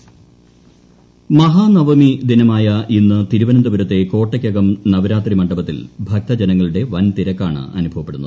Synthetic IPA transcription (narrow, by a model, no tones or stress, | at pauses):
mɐɦaːnɐʋɐmid̪inɐmaːjɐʔinːɨt̪iɾuʋɐnɐmd̪uʋɐɾɐt̪ːe̞ko̞ːʈːɐkʲːɐɡɐmnɐʋɐɾaːt̪rimɐɳɖɐbɐt̪ːilbʱɐk̚t̪ɐd͡ʑenɐŋːɐɭuɽe̞ʋɐnt̪iɾɐkːa̰ːɳɨ̰ʔɐ̰nubʱɐʋɐpːeɽunːɐðɨ